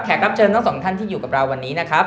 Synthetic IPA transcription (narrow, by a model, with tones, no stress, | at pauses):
kʰɛː˨˩t̪̚ɾa˦˥p̚t͡ɕʰɤː˧nɔ˥˩ŋsɔː˩˦ŋt̪ʰa˥˩nt̪ʰiː˥˩juː˨˩ka˨˩p̚ɾa˧wːa˧nːiː˦˥na˦˥kʰɾa˦˥p̚